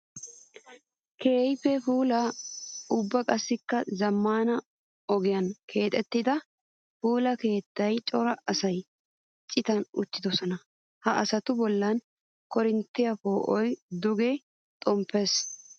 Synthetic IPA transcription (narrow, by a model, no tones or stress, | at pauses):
ke̞ːjfɛfuːlɐ | ʊbːɐkʼɐsːɪkːɐzɐmːaːnɐ | ɔɡɪjɐnkʰe̞ːt̪ʼɛt̪ːɪd̪ɐ | fuːlɐke̞ːt̪ːɐjt͡ʃʼɔɾɐɐsɐj | t͡ʃʼːɪt̪ɐnʊt͡ʃːɪd̪ɔsɔnɐ | hɐʔɐsɐt̪ʊbɔlːɐn | kɔɾɪnt̪ːɪjɐfoːʔɔjd̪ʊɡɛ | t̪ʼɔmpːeːs